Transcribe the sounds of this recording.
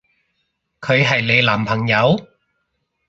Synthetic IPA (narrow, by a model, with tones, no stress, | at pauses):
kʰɵ˨˧ɥɦɐ˨jle˨˧jlaː˨˩mpʰɐ˨˩ŋjɐ˨˧w